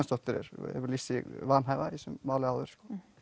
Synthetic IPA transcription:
nst̪ɔht̪ɪɾɪ̰ɾ̰ɛ̰vʏɾlisivanɦajvaisʏmːaːwlɪawðʏɾ̥skoː

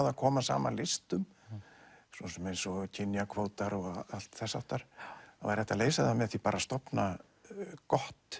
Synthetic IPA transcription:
ðaðkʰɔːmasa̰ːma̰lɪst̪ʏm | sɔːsɛmejnsɔcʰɪnjakʰvowt̪aɾɔɣal̥t̪θɛsːa̰wht̪aɾ̥avajɾɛht̪ːaleːjsaðamɛθipaːɾast̪ɔpna | kɔht̪

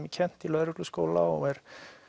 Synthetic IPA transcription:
micʰɛn̥t̪ilœðɾʏklʏskoːwlaɔɣɛɾ̥

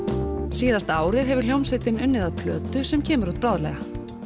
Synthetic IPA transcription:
siːðast̪aːwɾɪðɦɛvʏɾ̥ljowmsɪt̪ɪnʏnːɪðaðpʰlœːt̪ʏsɛmcʰɛːmʏɾut̪̚pɾaːwðlɛ̰ɣa

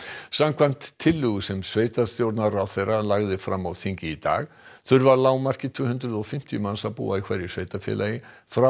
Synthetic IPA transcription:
samkʰvan̥t̪ʰːɪlːʏɣʏsɛmsveːjt̪ast̪jowɾt̪naraθejralaɣðɪfɾamːawθiɲcɪit̪a̰ːɣ | θʏɾvaɾlaːwmar̥cɪt̪ʰv̥ʏːhʏnt̪ɾʏðɔfɪm̥t̪ijʏmansapṵːaikʰvɛɾɪsvejt̪afjɛ̰lajɪ | fɾa

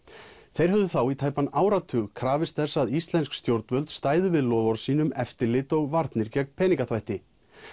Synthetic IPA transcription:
θejɾ̥ɦœvðʏθawit̪ʰaːjpanaːwɾat̪ʰʏːɣkʰɾaːvɪst̪θɛsːaðist̪lɛnskst̪jowɾt̪nvœlt̪st̪aːjðʏvɪðlɔːvɔɾ̥siːnʏmɛft̪ɪlɪt̪ɔɣvaɾt̪nɪɾcɛk̚mpʰɛːniŋkaθvajht̪ɪ

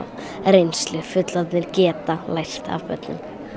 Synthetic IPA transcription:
ɾejnslʏfʏt̪lat̪nɪɾcɛːt̪alajst̪a̰vpœ̰t̪nʏ̰m

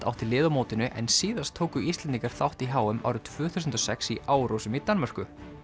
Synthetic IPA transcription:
t̪a̰wht̪ɪlɪːðamoːwt̪ɪnʏʔɛ̰nsiːðast̪ʰoːwkʏist̪ɛnt̪iŋkaɾ̥θawht̪iɦaːwʏmʔa̰wɾʏt̪ʰv̥ʏːθus̬ʏnt̪ɔsɛksiʔaːwɾowsʏmit̪anmar̥kʏ

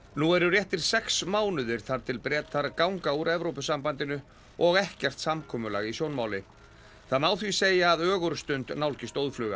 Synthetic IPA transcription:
nuɛɾʏrjɛht̪ɪɾ̥sɛksmaːwnʏðɪɾ̥θaɾt̪ʰɪlpɾɛːt̪ʰaɾkawŋkauɾɛvɾowpʏsampant̪ɪnʏ | ɔɣɛhcɛr̥t̪samkʰɔːmʏla̰ɣisjownmaːwlɪ | θaðmaːwθviseːjaːðœːɣʏɾst̪ʏnt̪nawlcɪst̪oːwðflʏːɣa̰

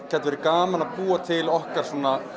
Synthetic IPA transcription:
cʰɛt̪vɛɾɪɾkaːmanaðpuːat̪ʰɪlɔhkaɾ̥sɔːna

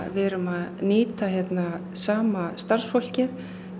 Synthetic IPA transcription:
vɛːɾʏmaðnɪːt̪açjɛt̪na | saːmast̪ar̥sfɔl̥cɪɾ

